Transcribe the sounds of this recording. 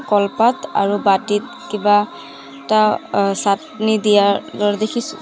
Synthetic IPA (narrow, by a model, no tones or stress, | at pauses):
kɔlpata̰ɹubatit̚ | kiba | tasat | nidijadɔɹdekʰisʊ̥